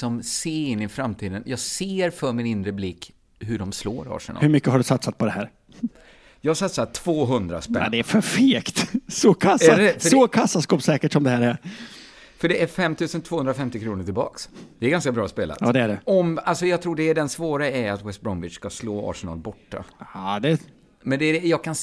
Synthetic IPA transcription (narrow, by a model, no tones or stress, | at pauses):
sɔmseːɪnːɪfɾamt̪ʰiːd̪ənjɑːɡseːɾfœɾmɪnɪnɾəblɪkː | ɦɵɖɔmslo̰ːɾɑ̰ːʂənʔhɵɾmʏkːəɦaɖɵsat̪sat̪̚pʰɔd̪ɛɦæːɾ | jɑːhasat̪sat̪ʰv̥oːɦɵnd̪ɾa̰spɛ̰d̪ɛæɾfœɾfeːkt̪sɔkʰasɛɛfsəɔkʰasːaskɑːpsɛːkəʈsɔmd̪ɛhæːɾæɾ | fœɖɛʔæɾfɛmt̪ʰʉ̟ːsənt̪ʰvoːhɵnd̪ɾafɛmt̪ɪkʰɾuːnəʈɪlbɑ̰ːksd̪̥ɛæɾɡanskabɾɑːspeːla̰tɑ̰ːd̪ɛæɖɛɔmalsɔjɑɡt̪ʰɾuːɖɛːɖɛnsvoːɾaæɾat̪wɛst̪̚bɾɔnvɪsskasloːɑ̰ːʂənɑ̰ːlbɔʈːa̰ɑːd̪ɛ | mɛnd̪ɛjɑːɡ̚kʰan